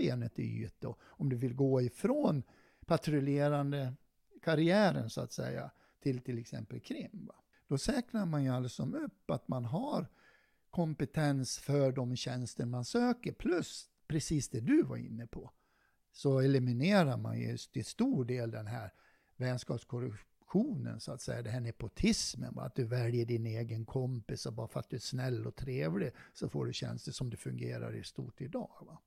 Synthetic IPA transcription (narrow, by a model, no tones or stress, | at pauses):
eːnət̪ɪ̰y̰ːt̪ːɔ | ɔmd̪ɵvɪlɡoːɪfɾoːn | pʰat̪ɾɵleːɾand̪ə | kʰaɾɪæːɾə̰nsʊa̰t̪sɛ̰jːa̰ | t̪ʰɪlt̪ʰɪlɛksɛ̰mpəlkʰɾɪmːva | d̪̥ɔsɛːknaɾmanjɵalːasɔmɵpːat̪manɦaɾ | kʰɔmpɛt̪ʰɛnsfœɖɔmɕɛnst̪əɳmansøːkəɾpʰlɵs | pʰɾɛsiːsd̪ɛd̪ɵva̰ɾɪ̰nːəpʰɔ | sɔɛlɪmɪneːɾaɾma̰njɵ̰t̪ɪst̪uːɖeːld̪ɛnɦæːɾ | vɛnskɑːpskʰɔɾ | ɧuːnə̰nsɔat̪sɛjːad̪ɛɦæːɳɛpʊt̪ʰɪsmə̰nbɑ̰ɾa̰t̪̚d̪ɵvɛljəɖɪneːɡənkʰɔmpɪsɔbɑːɾfəɾat̪̚d̪ɵæʂnɛlːɔt̪ʰɾeːvlɪsɔfo̰ːɖɵɕɛ̰nst̪əʂɔmd̪ɛfɵŋɡeːɾa̰ɾɪ̰st̪ṵːʈɪd̪ɑːɡva